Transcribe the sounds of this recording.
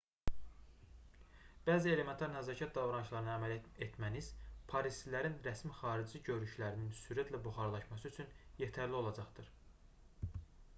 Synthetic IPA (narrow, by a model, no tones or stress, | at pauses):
b̥æːzie̞le̞me̞nt̪ʰɑɾnæzɑːcʰɑt̪̚d̪ɑvɾɑnɯʃlˠɑɾɯnɑæmælet̪mænizpʰɑɾist̪læɾinɾæsmixɑːɾid͡ʒiɟø̞ɾyʃlæɾininsyɾæt̪ʰlæbuχɑɾlˠɑʃmɑsyyt͡ʃʰynjet̪ʰæɾlio̞lˠɑd͡ʒɑχd̪ɯɾ̥